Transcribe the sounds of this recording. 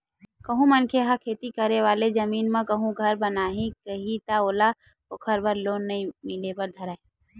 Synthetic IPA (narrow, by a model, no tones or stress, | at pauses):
kɐɦũmɐnkʰeɦakʰeːt̪ikɐɾeʋaːlezɐmiːnmãkɐɦũɡʱɐɾbɐnaːɦĩkəɦit̪aoːla | okʰɐɾbɐɾloːnːɐɦĩmɪlepɐɾd̪ʱɐɾaːi